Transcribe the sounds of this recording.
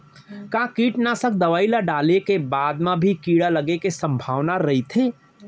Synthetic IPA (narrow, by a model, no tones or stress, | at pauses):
kãːkiːʈnasək̚d̪ɐʋaːilaɖaːlekebaːd̪mãbʱikiːɽaləɡekesə̃mbʱaːʋnaɾɐɦit̪ʰeː